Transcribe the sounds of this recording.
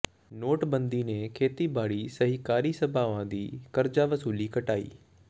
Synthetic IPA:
noːʈbɐ̃nd̪inẽkʰeːt̪ibaːɽisɐɦikaːɾisɐbʱaːʋãd̪iːkɐɾd͡ʒaʋɐsuːlikɐʈaːḭː

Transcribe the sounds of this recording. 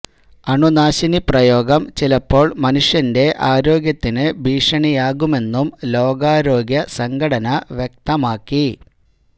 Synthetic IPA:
ɐɳunaːɕiniprɐjo̞ːɡɐmt͡ɕilɐpːo̞ːɭmɐnuʂjɐnde̞ʔaːɾo̞ːɡjɐt̪ːinɨbʱiːʂɐɳijaːɣume̞nːumlo̞ːɡaːɾoːɡjɐsɐŋɡɐɽɐnɐʋjek̚t̪ɐmaːkːi

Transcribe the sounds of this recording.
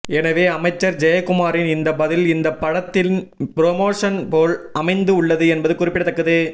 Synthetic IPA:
ɛnɐʋeːɐmɐɪt͡ʃːɐɾd͡ʒɐjɐkːʊmaːɾɪnɪnd̪ɐbɐðɪlɪnd̪ɐpːɐɽɐt̪ːɪlpɪɾoːmoːʂɐnpoːlɐmɐɪnd̪ɯʊɭːɐðɯɛnbɐðɯkʊɾɪpːɪɽɐt̪ːɐkːɐðɯː

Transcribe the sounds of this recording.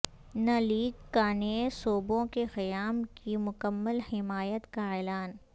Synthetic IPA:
nɐliːkːaːnesoːbõkexɪjaːmkimʊkəmːəlhɪmaːjət̪kaɛːlaːn

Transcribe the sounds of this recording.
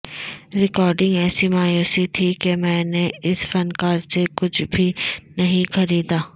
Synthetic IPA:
ɾɪkɔːɾɖɪ̃ŋɡɛːsimaːjoːsit̪ʰikemɛ̃ːneɪsfɐnkaːɾsekʊt͡ʃʰbʱinɐɦĩxɐɾiːd̪aː

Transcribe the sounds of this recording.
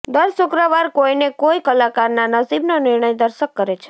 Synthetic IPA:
d̪əɾsʊkɾəʋaɾkoinekoikəlakaɾnanəsibnonɪɾɳəjd̪əɾʃəkːəɾet͡ʃʰe̥

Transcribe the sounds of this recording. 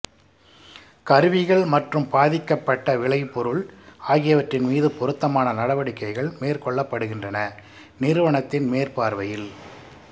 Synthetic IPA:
kɐɾɯʋɪɣɐɭmɐʈrɯmpaːðɪkːɐpːɐʈːɐʋɪɭɐɪpːɔɾɯɭaːɣɪjɐʋɐʈrɪnmiːðɯpɔɾɯt̪ːɐmaːnɐnɐɽɐʋɐɽɪkːɐɪɣɐɭmeːrkɔɭːɐpːɐɽɯɣɪndrɐnɐ | nɪɾɯʋɐɳɐt̪ːɪnmeːrpaːɾʋɐjɪl

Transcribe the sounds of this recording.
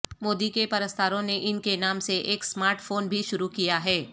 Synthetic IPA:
moːd̪ikepɐɾəst̪ʰaːɾõneʔɪnkenaːmseʔeːksmaːɾʈfoːnbʱiʃʊɾukijaɦɛː

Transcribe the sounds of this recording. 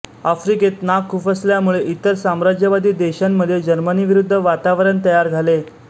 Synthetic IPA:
afɾiket̪nakʰːufəsljamuɭeʔit̪əɾsamɾad͡ʑjəʋad̪iːd̪eɕamːəd̪ʱːjed͡ʑəɾməniːʋiɾud̪ʱːəʋat̪aʋɾəɳt̪əjaɾd͡zʱale

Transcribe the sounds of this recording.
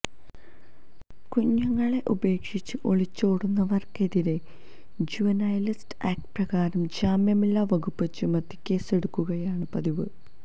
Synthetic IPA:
kuɲːɐŋːɐɭe̞ʔube̞ːkʂit͡ɕːɨʔo̞ɭit͡ɕːoːɽunːɐʋɐrke̞ðiɾe̞ | d͡ʑuʋɐnɐjɐlistaːk̚ʈprɐɡaːɾɐmd͡ʑaːmjɐmilːaʋɐɡupːet͡ɕːumɐt̪ːi̥kʲːe̞ːse̞ɽukːuɣɐjaːɳɨpɐðiʋɨ

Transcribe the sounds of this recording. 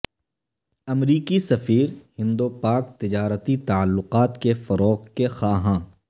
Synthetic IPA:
ɐmɾiːkisɐfiːɾhɪ̃nd̪opaːkt̪ɪd͡ʒaːɾət̪it̪ɐəlːʊqaːt̪kefɐɾɔːɣkexaːɦãː

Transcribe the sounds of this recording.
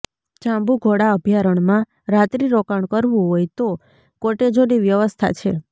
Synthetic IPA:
t͡ʃãmbuɡʱoɽaəbʱjaɾəɳmã | ɾat̪ɾiɾokaɳkəɾʋũɦojt̪o | koʈed͡ʒoniʋjəʋəst̪ʰa̰t͡ʃʰḛ

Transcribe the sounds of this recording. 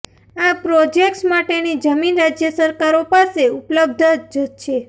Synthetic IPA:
apɾod͡ʒek̚ʈsmaʈenid͡ʒəminɾad͡ʒjəsəɾkaɾopaseupləb̚d̪ʱd͡ʒət͡ʃʰe

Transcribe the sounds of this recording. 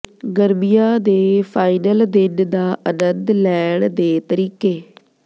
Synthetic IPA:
ɡəɾmijaːd̪eːpʰaːɪnəld̪ɪnd̪aːʔənənd̪lɛːɳd̪eːt̪əɾiːkeː

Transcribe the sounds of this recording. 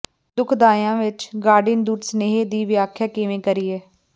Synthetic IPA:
d̪ʊkʰd̪aːjãːʋɪt͡ʃɡaːɾɖɪnd̪uːɾsəneːɦeːd̪iːʋjaːkʰjaːkɪʋẽːkəɾiːɛː

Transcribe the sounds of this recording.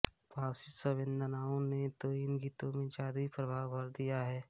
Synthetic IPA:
bʱaːwsɪt̪səbɪ̃nd̪ənaːõnet̪oɪnɡiːt̪õmẽd͡ʒaːd̪uipɾəbʱaːwbʱɐɾd̪ijaɦɛː

